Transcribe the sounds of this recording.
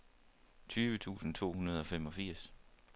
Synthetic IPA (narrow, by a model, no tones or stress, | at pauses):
t͡sʰyːʋət͡sʰṵːsn̩t͡sʰo̝̰ːhunɐð̞̩ˠɒ̽fem̰ɒ̽fiɐ̰s